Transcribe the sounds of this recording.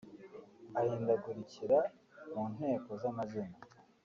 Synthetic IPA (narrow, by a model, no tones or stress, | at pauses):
ahiːndaɡuɾiciɾa | muːn̥ɦe̞ːko̞zamazina